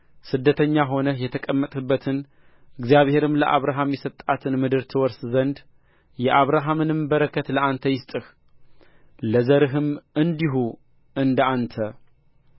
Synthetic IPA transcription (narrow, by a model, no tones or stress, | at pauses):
sɨd̪ːət̪ʰəɲːaɦo̞nəjɛt̪ʰəkʼəmːət̪ʼɨbːət̪ʰɨn | ʔɨɡzijaβhe̞ɾɨmləʔa̰βɾaɦamjɛsət̪ʼːat̪ʰɨnmɨd̪ɨɾt̪ʰɨwɔɾszənd̪ | jɛʔaβɾaɦamɨnɨmbəɾəkʰət̪ləant̪ʰəjɪst̪ʼɨx | ləzəɾɨɦɨmʔɨnd̪iɦu | ʔɨnd̪əant̪ʰə